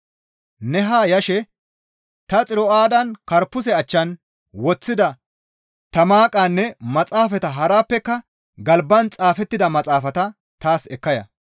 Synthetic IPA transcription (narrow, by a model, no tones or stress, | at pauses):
nɛɦaːjɐʃɛ | t̪ɐt͡sʼɪɾɔaːd̪ɐnkɐɾpːʊs̬ɛɐt͡ʃːɐn | wɔt͡sːɪd̪ɐ | t̪ɐmaːkʼanːɛmɐt͡sʼaːfɛt̪ɐɦɐɾaːpːɛkːɐ | ɡɐlbːɐnt͡sʼaːfɛt̪ːɪd̪ɐmɐt͡sʼaːfɐt̪ɐ | t̪aːsɛkːɐjɐ̰